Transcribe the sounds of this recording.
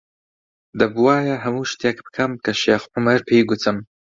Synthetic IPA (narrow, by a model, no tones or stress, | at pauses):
d̪ɐbuwaːjɐɦɐmuːʃt̪ekbɨ̥kʰɐmkʰɐʃeːxʕʊmɐɾpʰejɡʊt̪ʰɨm